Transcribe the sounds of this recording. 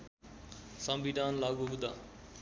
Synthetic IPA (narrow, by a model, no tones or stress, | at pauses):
sʌmbiɖ̪ʱanlaɡuɦud̪a